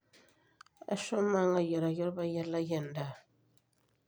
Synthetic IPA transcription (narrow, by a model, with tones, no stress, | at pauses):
a̰˦ʃɔ˦ma˦ŋa˨jɛ˨ɾa˨jɔ˦lba˦jɛ˦la˦jɛ˨nda˨